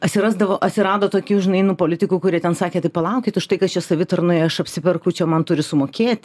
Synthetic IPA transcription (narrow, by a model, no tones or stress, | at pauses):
ɐtʲsʲɪɾɑːzd̪ɐʋoːʔɐt̪ʲsʲɪɾɑːd̪oːt̪oːkʲuːʒʲɪnɐɪnupoːlʲɪt̪ʲɪkuːkʊɾʲiɛt̪ʲɛnsɑːkʲeːt̪ɐɪpɐlˠɑʊkʲɪt̪ʊʃt̪ɐɪkɐst͡ʃʲɛsɐʋʲɪt̪ɐrnʊɪɐʃɐpʲsʲɪpʲɛrkʊt͡ʃʲɛmɐnt̪ʊɾʲɪsʊmoːkʲeːt̪ʲ